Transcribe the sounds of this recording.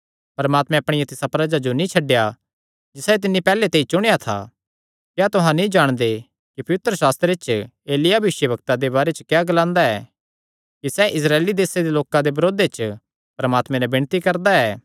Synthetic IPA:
pɐɾəmaːt̪mɛ̃ɐpɽ̃ɪjat̪ɪsapɾɐd͡ʒad͡ʒonĩt͡ʃʰɐɖːeja | d͡ʒɪsat̪̬ɪnːipɛːlet̪eːit͡ʃʊɽ̃ejat̪ʰa̰ | kjat̪ʊɦãnĩd͡ʒaːɽ̃d̪e | kipɐʋɪt̪ɾəsaːst̪ɾet͡ʃ | eːlɪjabɪʃjəbɐkt̪ad̪ebaːɾet͡ʃəkjaɡɐlãːnd̪aɛː | kisɛʔɪs̬ɾaːlid̪eːsed̪eloːkãd̪ebɐɾoːd̪et͡ʃ | pɐɾɐmaːt̪mɛ̃nɛbɪɽ̃t̪ikɐɾd̪aɛː

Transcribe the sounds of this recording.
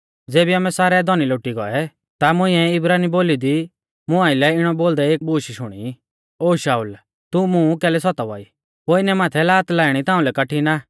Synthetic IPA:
d͡zeːbiɐmɛsaːɾɛd̪ʱɔniloːʈiɡɔɛ | t̪amʊ̃ɪ̃ɛɪbɾaːniboːlid̪i | mʊ̃ãːɪlɛɪɽ̃ɔboːld̪ɛeːk̚buːʃiʃʊɽ̃ḭ | oːʃaːul | t̪umũkɛːlɛsɔt̪aʋa̰ːiː | poːɪnɛmaːt̪ʰɛlaːt̪laːɪɽ̃it̪ãːũlɛkɐʈʰina

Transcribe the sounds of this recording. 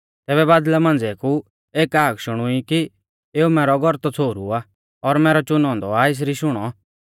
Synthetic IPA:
t̪ɛːbɛbaːd̪lɛmãːnd͡zeːkʰu | eːkaːkʃʊɽ̃ʊiki | eːumɛːɾɔɡʱɔɾt̪ɔt͡sʰoːɾua | ɔɾmɛːɾɔt͡ʃʊnɔ̃ːnd̪ɔaɪs̬ɾiʃʊɽ̃ɔ

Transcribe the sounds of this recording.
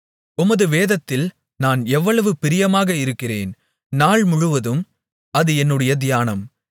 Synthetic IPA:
ʊmɐðɯʋeːðɐt̪ːɪl | naːnɛʋːɐɭɐʋɯpɪɾɪjɐmaːɣɐɪɾɯkːɪrḛːn | naːɭmʊɻʊʋɐðɯm | ɐðɯɛnːɯɽɐjɐd̪ɪjaːnɐm

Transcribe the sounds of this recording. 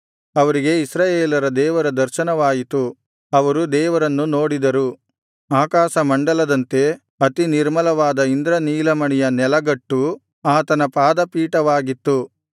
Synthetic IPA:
ɐʋɐɾiɡe̞isɾaːjeːlɐɾɐd̪ɛːʋɐɾɐd̪ɐɾʃɐnɐʋaːjit̪u | ɐʋɐɾud̪ɛːʋɐɾɐnːuno̞ːɽid̪ɐɾu | aːkaːʃɐmɐɳɖɐlɐd̪ɐnt̪e̞ | ɐt̪iniɾmɐlɐʋaːd̪ɐind̪ɾɐniːlɐmɐɳɛjɐnɛlɐɡɐʈːu | aːt̪ɐnɐpaːd̪ɐpiːʈɐʋaːɡit̪ːu

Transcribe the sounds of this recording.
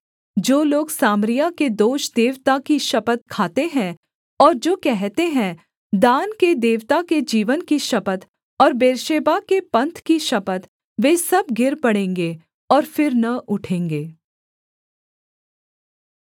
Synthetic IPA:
d͡ʒoːloːɡsaːmɾijaked̪oːʃd̪eːʋt̪akiʃɐpət̪̚kʰaːt̪eɦɛ̃ | ɔːɾd͡ʒoːkɛɦt̪eɦɛ̃ | d̪aːnked̪eːʋt̪aked͡ʒiːʋənkiʃɐpət̪ | ɔːɾbeːɾʃeːbakepɐ̃nt̪ʰkiʃɐpət̪ | ʋeːsɐbɡɪɾpɐɽẽːŋɡe | ɔːɾfɪɾnɐʔʊʈʰẽːŋɡeː

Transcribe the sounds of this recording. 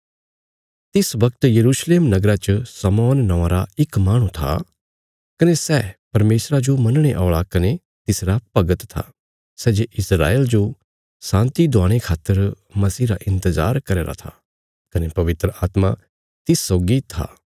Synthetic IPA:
t̪ɪsʋɐkt̪jɐɾuːʃleːmnɐɡɾat͡ʃəsɐmɔːnːɐʋãɾaɪkmaːɽ̃ũt̪ʰa̰ | kɐnesɛːpɐɾmeːsɾad͡ʒomɐnɽ̃eʔa̰ːɭakɐne | t̪ɪsɾapɐɡət̪t̪ʰa̰ | sɛːd͡ʒeʔɪsɾa̰ːeːld͡ʒo | sãːnt̪id̪ʱʊaːɽ̃ekʰaːt̪ːəɾ | mɐsiːɾaʔɪ̃nt̪əza̰ːɾkɐɾeːɾa̰t̪ʰa | kɐnepɐʋɪt̪ɾəaːt̪ma | t̪ɪsːoːɡit̪ʰa̰ː

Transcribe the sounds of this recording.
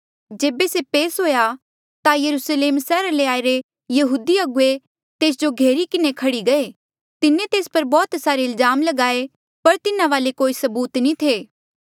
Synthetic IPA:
d͡ʒeːbesepeːsɦoːja | t̪ajɐɾusleːmsɛːɾaleaːiɾe | jɐɦuːd̪iɐɡʊe | t̪eːs̬d͡ʒoɡʱeːɾikɪnekʰɐɽiɡɐe | t̪ɪnẽt̪eːspɐɾbɔːt̪saːɾeɪlzaːmlɐɡaːe | pɐɾt̪ɪnaʋaːlekoːisɐbuːt̪nĩt̪ʰeː

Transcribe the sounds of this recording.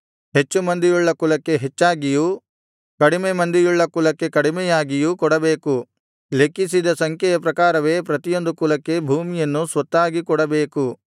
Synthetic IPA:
ɦe̞t͡ʃːumɐnd̪ijuɭːɐkulɐkːe̞ɦet͡ʃːaːɡiju | kɐɽimemɐnd̪ijuɭːɐkulɐkːe̞kɐɽimɛjaːɡijukɔɽɐbeːku | le̞kːisid̪ɐsɐŋkʰɛjɐpɾɐkaːɾɐʋe̞ːpɾɐt̪ijo̞nd̪ukulɐkːe̞bʱuːmijɐnːusʋɐt̪ːaːɡikɔɽɐbe̞ːku

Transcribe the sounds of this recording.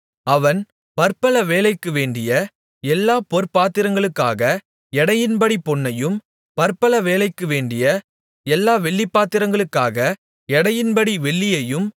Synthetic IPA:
ɐʋɐn | pɐɾpɐlɐʋeːlɐɪkːɯʋeːɖɪjɐ | ɛlːaːpɔɾpaːt̪ːɪɾɐŋɡɐɭɯkːa̰ːɣɐ | ɛɽɐjɪnbɐɽipɔɳːɐjɯm | pɐɾpɐlɐʋeːlɐɪkːɯʋeːɳɖɪjɐ | ɛlːaːʋɛɭːipːaːt̪ːɪɾɐŋɡɐɭɯkːaːɣɐ | ɛɽɐjɪnbɐɽiʋɛɭːɪjɐjɯm

